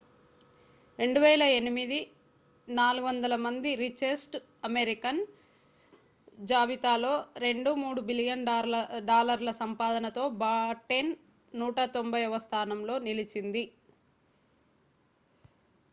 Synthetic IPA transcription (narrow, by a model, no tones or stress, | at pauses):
ɾe̞ɳɖuʋɛːlɐe̞nimid̪i | naːluɡuʋɐnd̪ɐlɐmɐnd̪iɾit͡ʃesʈ | ɐmeɾikɐn | d͡ʒaːʋit̪aːlo̞ːɾe̞ɳɖumuːɽubilijɐnɖaːlɐɾlɐsɐmpaːd̪ɐnɐt̪o̞ːbaːʈen | nuːʈɐt̪o̞mbʱɐjɔʋɐst̪ʰaːnɐmlo̞ːnilit͡ʃind̪i